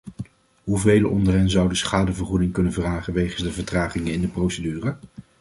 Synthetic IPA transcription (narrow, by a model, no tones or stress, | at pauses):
ɦuvejləʔɔndərɛnzʌwdəsχaːdəvəɹχudɪŋkɵnənvraːχənʋejχənzdəvəɹtraːχɪŋəɪndəprowsədyːrə